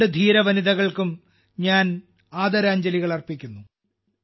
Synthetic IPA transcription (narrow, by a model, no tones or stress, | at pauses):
ɨd̪ʱiːɾɐʋɐniðɐɣɐɭkum | ɲaːn | aːd̪ɐɾaːɲd͡ʑɐliɣɐɭɐrpikʲːunːu